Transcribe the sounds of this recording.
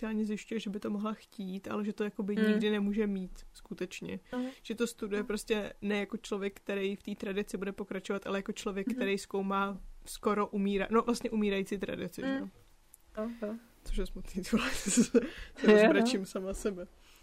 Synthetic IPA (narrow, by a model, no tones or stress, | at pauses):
ɪaːlɲɛzjɪʃcujɛʒɛbɪt̪o̞moɦlaxciːt̪ʔa̰lɛʒɛt̪o̞jako̞bɪɲɪɡdɪnɛmuːʒɛmiːt̪skut̪ɛt͡ʃɲɛ̰ʒ̥ɛt̪o̞st̪udujɛpɾo̞scɛnɛjako̞t͡ʃlo̞vjɛk̚kːt̪ɛɾɛjft̪iːt̪ɾadɪt͡sɪbudɛpo̞kɾat͡ʃovat̪ʔalɛjako̞t͡ʃlo̞vjɛkkːt̪ɛɾejskowmaːsko̞ɾo̞ʔumiːɾano̞vlast̪ɲɛʔumiːɾajit͡siːt̪ɾa̰dɪt͡sɪ̰ʒɛo | t͡soʃ̬jɛsmut̪niːt̪olɛ | sɛosɾat͡ʃimsamasɛbɛ